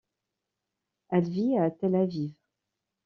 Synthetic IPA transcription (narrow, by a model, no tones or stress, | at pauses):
ɛlviat̪ɛlavivʁ